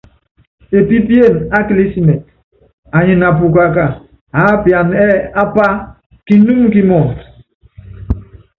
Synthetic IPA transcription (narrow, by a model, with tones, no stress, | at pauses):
e˨pi˦pje˦˨na˦kli˦si˦mɛ˨t̚ | a˨ɲi˨na˨p̬u˨k̬a˨k̬a˨ | a˨˦pja˨nɛ˦a˦pa˦ | ki˦nu˦mki˦mɔ˨ŋ